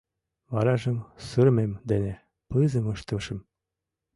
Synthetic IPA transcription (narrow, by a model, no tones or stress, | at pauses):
βɑɾɑʒə̆msəɾmemd̪ene | pɯzə̆mɤʃt̪ə̆ʃə̆m